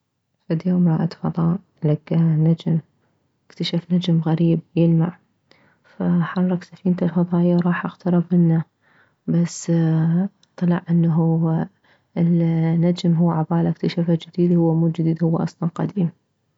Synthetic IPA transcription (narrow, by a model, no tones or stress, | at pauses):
fad̪joːmɾˤɑːʔat̪fɑðˤɑːʔ | laɡːanad͡ʒm | ʔɪkt̪aʃafnad͡ʒmɣaɾiːb̚jɪlmaʕ | faħɑrˤːɑksafiːnt̪alfɑðˤɑːʔjawɾˤɑːħʔaɣt̪ɑɾˤɑbʔɪnːa | basː | t̪ˤːɑlɑʕʔɪnːɦu | lnːad͡ʒmɦuːʕabaːlaʔkt̪aʃafad͡ʒɪd̪iːd̪hʊwːamuːd͡ʒɪd̪iːd̪hʊwːaʔɑ̰sˤlɑnqad̪iːm